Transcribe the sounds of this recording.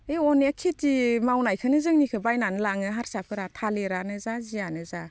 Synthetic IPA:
eɔnakʰitimawnajkʰɯnɯzɯŋnikʰɯbajnanɯlaŋɯɦaɾsap̚ʰɯɾatʰaleɾanɯzazianɯza

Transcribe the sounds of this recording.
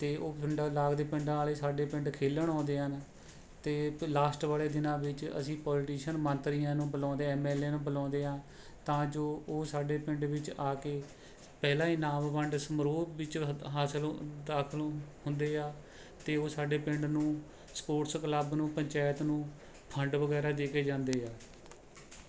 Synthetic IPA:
t̪eːʔoːpɪɳɖːlaːɡd̪eːpɪ̃ɳɖaːleːsaːɖeːpɪ̃ɳɖkʰeːləɳɔ̃ːnd̪eːɦən | t̪eːlaːsʈʋaːleːd̪ɪnãːʋɪt͡ʃə̰sĩːpɔːlʈiːʃənmə̃nt̪ɾijãːnũːbəlɔ̃ːnd̪eɛːmɛːlẽːnũːbəlɔ̃ːnd̪eːãː | t̪ãːd͡ʒoːoːsaːɖeːpɪ̃ɳɖʋɪt͡ʃaːkeː | pɛːlãːiːnaːmʋəɳɖsəmɾoːʋɪt͡ʃɦaːsəld̪aːkʰəlhʊnd̪eːaː | t̪eːoːsaːɖeːpɪɳɖnũː | spoːʈskləbnũːpəɲt͡ʃaːjət̪nũː | pʰəɳɖʋəɡɛːɾaːd̪eːkeːd͡ʒãːnd̪eːaː

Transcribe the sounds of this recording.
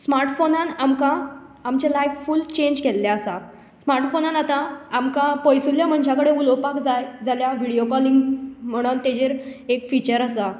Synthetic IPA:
smaɾʈfonanamkã | amt͡ɕelajʋfult͡ɕẽɲd͡ʑkelːjaəsa | smaɾʈfonãnat̪ãːmkãpəjsuljam̤əɳd͡ʑʱjakəɽeulopakd͡zajd͡zaljaʋiɽijokɔliŋɡm̤əɽ̃ənt̪ed͡ʑeɾekfit͡ɕəɾəsa

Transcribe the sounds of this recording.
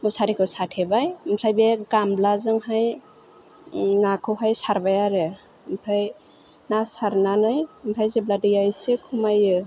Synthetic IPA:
musaɾikʰɯsatʰebajmtʰajbeɡamblazɯŋhaj | nakʰɯɦajsaɾbajaɾɯ | mpʰaj | nasaɾnanɯjmpʰajzebladɯjajsekʰumajɯ

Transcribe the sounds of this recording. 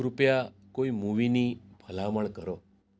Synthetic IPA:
ɾupja | koimuʋinibʱəlaməɭkəɾo

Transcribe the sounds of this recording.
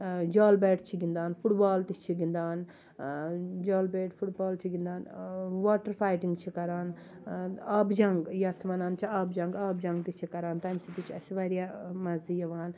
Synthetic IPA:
d͡ʒaːlbeːʈt͡ʃʰiɡind̪aːnpʰuʈbaːlt̪it͡ʃʰiɡind̪aːn | d͡ʒaːlbeːʈfʰuʈbaːlt͡ʃʰiɡind̪aːnʋaːʈɐɾfaːjʈiŋɡt͡ʃʰikɐɾaːn | aːbd͡ʒɐŋɡjat̪ʰmɐnaːnt͡ʃʰiaːbd͡ʒɐŋɡaːbd͡ʒɐ̃ŋɡt̪it͡ʃʰikɐɾaːnt̪ajmsit̪it͡ʃʰɐsʋaɾijaːmɐzijɐʋaːn

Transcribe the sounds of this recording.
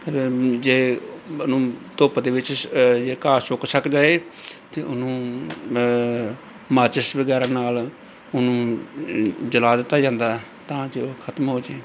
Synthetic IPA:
pʰɪɾd͡ʒeːnũːt̪oːpad̪eːʋɪt͡ʃd͡ʒeːkaːsʊksəkd͡ʒaːeːt̪eːʔʊnũː | maːt͡ʃəsbəɡɛːɾãːnaːl | ʊnũː | d͡ʒəlaːd̪ɪt̪ːaːd͡ʒãːnd̪aː | t̪ãːd͡ʒeːoːkʰət̪mɦoːd͡ʒeː

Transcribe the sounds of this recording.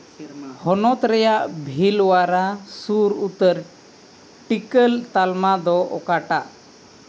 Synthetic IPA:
hɔnɔt̪ɾɛjaʔbʱilwaɾasuɾut̪əɾ | ʈikəlt̪almad̪ɔɔ̰kaʈaʔ

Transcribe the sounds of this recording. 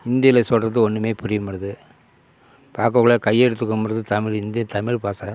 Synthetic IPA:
ɪnd̪ɪjɐlɐsɔɾɐt̪̬ːɯɔɳːɯmeːpʊɾɪjɐmɐɾɐðɯ | paːɾkɐɣɐɭɐkɐjɛɽɯt̪̬ːɯkːɯmɐɾɐðɯt̪ɐmɪɻɪnd̪ɪjɐt̪ɐmɪɻpaːsa

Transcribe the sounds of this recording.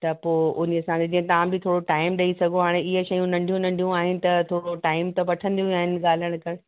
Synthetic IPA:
t̪ɐpoːʔʊnsãed͡ʑĩɦẽt̪ɐʋãbɪt̪ʰoːɽoʈaːɪmɗɐisɐɡʱõɦaːɽ̃eɪɦəʃɐjũnɐ̃ɳɖʱjũnɐ̃ɳɖʱijũaːɦɪnɪ̆t̪ɐt̪ʰoːɽoʈaːɪmt̪ɐʋɐʈʰə̃nd̪ijuũaːɦɪnɪ̆ɠaːl̤əɽ̃kɐɾ

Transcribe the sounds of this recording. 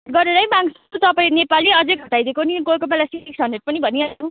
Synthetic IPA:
ɡʌɾeɾʌbaŋs | t̪ʌpaĩnepaliʌd͡zʌɡʱʌʈajd̪ekoniɡolkopalasiiksʌndeʈ̚pʌnibʱʌniao

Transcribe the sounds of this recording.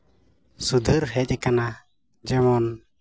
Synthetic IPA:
sud̪ʱəɾɦɛc̚ˀɛkana | d͡ʒɛmɔn

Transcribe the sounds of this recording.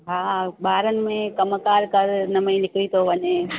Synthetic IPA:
ɦaːɓaːɾənɪ̆mẽkəməkaːɾkɐɾnɐmẽnɪklit̪oʋəɲẽː

